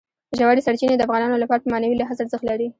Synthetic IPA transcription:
əʒawɑd̪isaɽt͡ʃined̪əafɣɑnɑnolapɑɾatpəmɑnawilaɦazaɾzəxt̪laɾi

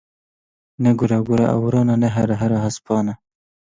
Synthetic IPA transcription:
neɡuɾɑɡuɾa̰ʔa̰wɾɑːnaneɦaɾaɦaɾaɦaspɑːna

